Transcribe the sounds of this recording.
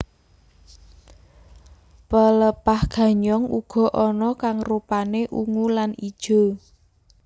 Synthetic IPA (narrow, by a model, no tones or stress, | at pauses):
pələpahɡ̥a̤ɲɔŋuɡ̥ɔ̤ʔɔnɔkaŋrupaneʔuŋulanid̥ʒ̥o̤